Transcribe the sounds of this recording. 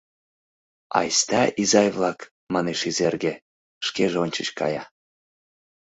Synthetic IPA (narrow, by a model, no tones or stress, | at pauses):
ɑ̰jst̪ɑizɑjβlˠɑk | mɑneʃizerɡe | ʃkeʒeonʲt͡ɕə̆ɕkɑ̰jɑ